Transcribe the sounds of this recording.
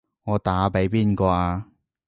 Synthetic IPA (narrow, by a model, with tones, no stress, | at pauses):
ŋɔː˨˧t̪aː˨˥pe˨˥jpiː˥nkɔː˧ʔaː˧